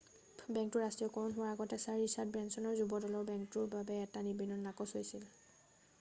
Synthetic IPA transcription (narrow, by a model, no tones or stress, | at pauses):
bɛŋk̚tʊɹɹastɹijɔkɔnɦʊwaɹaɡɔtɛsaɹisat̚bɹɛnsɔnɔɹzubɔdɔlɔɹbɛŋktʊɹbabɛːtanibinːɔnːakɔsɦojsil